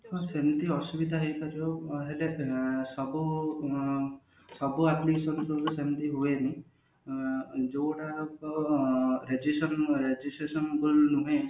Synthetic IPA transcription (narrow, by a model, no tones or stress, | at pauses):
ɔsent̪iɔsubid̪ʱaɦejkaɾioɦelesɔbu | sɔbuat̪lisɔnsɔlusent̪iɦueni | d͡ʒowɽakɔ | ɾed͡ʒisɔnɾed͡ʒisʈɾesɔnbolnuɦẽ